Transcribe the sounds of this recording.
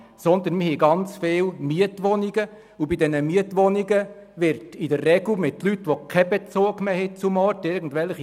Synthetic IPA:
sɔnd̪ənmɪhɛɡɑnt͡sfeːlmiətʋɔniɡə | ubidɛnəmiətʋɔniɡə | ʋɪɾtidərːɛɡl̩mɪtlytːʋokʰɛbɛt͡soːkmɛɦɛt͡sʊmɔtɪɾɡn̩dʋɛlχi

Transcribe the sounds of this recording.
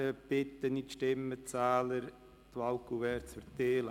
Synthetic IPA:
əpɪt̪ːənit̪ʃtɪmːət͡saːləɾ | t̪ʋɑlkuʋɛːɾt͡sfərt̪eːl

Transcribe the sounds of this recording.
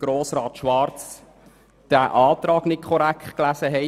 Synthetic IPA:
ɡ̥ɾoːsɾɑːt̪ʃʋɑɾt͡s | d̥æʔɑːt̪ɾɑːɡ̥nɪt̚kʰɔɾæktklæsəɦɛ

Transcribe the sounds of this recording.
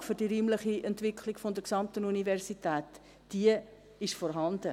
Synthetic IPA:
fʏɾd̥iɾiːmləχiʔɛntvɪkʰliɡfodəɾksɑmtənunivɛɾsitɛːt | d̥iə | ɪʃfɔɾɦɑndə

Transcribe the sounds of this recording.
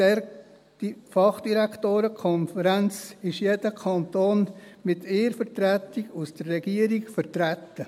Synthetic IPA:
ɛɾ̥ | fɑχd̥iɾæktoːɾəkʰɔnfəɾænt͡sɪʃjed̥əkʰɑnt̪oːnmɪt̪ʰɪːɾfəɾtɾæt̪iɡ̥usd̥ərːɛɡ̥iəɾiɡfəɾtɾæt̪ːə

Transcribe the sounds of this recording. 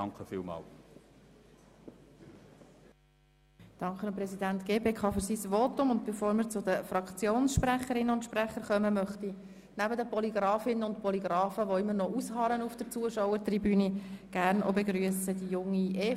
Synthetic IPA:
ɑŋkəfḭːlmɑ̰ːl | d̥ɑŋkχəɑmpɾɛsid̪æntɡ̥eːpeːkʰɑːfɵɾsisʋotʊmʊnd̪b̥ɛfoːɾməɾt͡sʊd̪əfrɑkt͡sjoːnsʃpɾæχəɾɪnːəʊntʃpræχəɾχœməmœχti | næbədəpɔliɡɾɑːfɪnənʊntpʰɔliɡɾɑːfəʋɔɪmːənɔʔushɑːɾənufd̥əɾt͡suəʃɔʊwəɾt̪ribyːniɡ̥æɾnʔo̰beɡɾyəsəd̥ijʊŋːie

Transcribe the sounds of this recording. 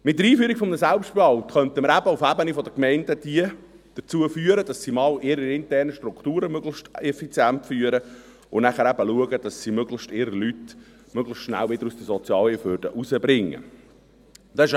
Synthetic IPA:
mɪt̚ːəɾiːfyːɾikfɔmnəsælpʃtbɑwtχœnt̪əməɾæbəufæbənifɔd̪əkmɛɪnd̥əd̥iə | d̥əɾt͡suəfyːəɾəd̥ɑsːimɑːlʔɪɾəɪntɛrnəʃtɾʊktuːɾəmøɡlɪʃtɛfit͡sjæntfyːəɾə | ʊnæχəɾæbəluəɡəd̥ɑsːimøɡləχʃtɪɾəlyt | møɡləʃtʃnæ̰lʋɪdəɾusd̥̪əsɔt͡sjɑːlifʋøɾd̥ə̰ʔusəbɾɪŋːə̰ | d̥̪ɑɪʃ

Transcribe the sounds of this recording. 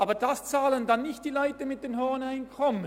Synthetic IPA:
ɑːbəd̥ast͡saːləndɑnːɪçt̚d̥iːlɔʏtəmɪt̚d̥eːnɦɔʁnaɪnkʰɔmən

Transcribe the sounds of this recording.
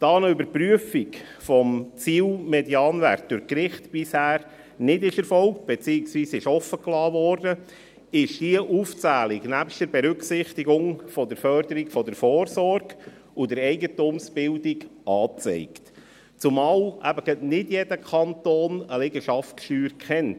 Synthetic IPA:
d̥ɑːnəʏbəɾpɾyəfik | fɔmt͡siːlmɛdjɑːnʋæ̰ɾt̚d̥ʊɾkɾɪχtb̥ɪshæːɾ | nɪdɪʃɛɾfɔlk̚t̚b̥ɛt͡siːɪksʋiːsɪʃɔfːəklɑːʋɔːrdə | ɪʃd̥iəʔuft͡sæːliɡnæpʃtd̥əɾbɛɾʏksɪχt̪iɡʊŋfɔdəɾfœɾd̥əɾikfɔdəɾfɔːɾsɔɾɡ̥ | udəɾɛɪɡətumsb̥ɪldiɡʔɑːt͡sɛ̰ɪkt | t͡sumɑːlʔæ̰bəɡ̥ətnɪdjɛd̥əkʰɑntoːnəlɛɡəʃɑftʃtyːɾkχɛnt

